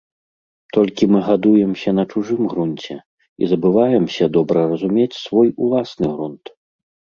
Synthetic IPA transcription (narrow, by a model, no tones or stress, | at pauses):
t̪ɔlʲkʲimɨɣad̪ujɛmsʲɐn̪ɐt͡ʂuʐɨmɣɾunt͡sʲɛ | ḭzɐbɨvajɛmsʲɐd̪ɔbɾɐrɐzumʲet͡sʲsvɔjulˠasnɨɣɾunt̪